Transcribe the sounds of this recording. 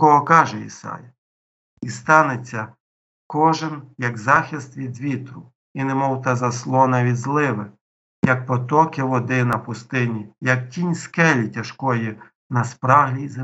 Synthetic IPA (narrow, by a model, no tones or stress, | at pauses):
kɔɦɔkɑʒɛḭsɑ̰jɐ | ist̪ɑnet͡sʲːɐ | kɔʒɪnjɐkzɑxʲist̪ʋʲid̪ʋʲit̪ɾʊ | inɛmɔwt̪ɑzɐslˠɔnɐʋʲid̪ʲzlˠɪʋɪ | jɐk̚pɔt̪ɔkɪʋɔd̪ɪnɐpʊst̪ɪnʲijɐk̚tʲinʲskɛlʲitʲɐʃkɔji | nɐspɾɑɦlʲize